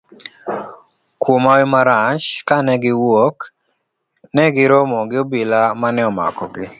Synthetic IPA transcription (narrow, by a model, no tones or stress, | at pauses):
kwomawɪmaɾat͡ʃkanɛɡɪwok | nɛɡɪɾɔmɔɡɪobilamanɛɔma̰kɔ̰ɡɪ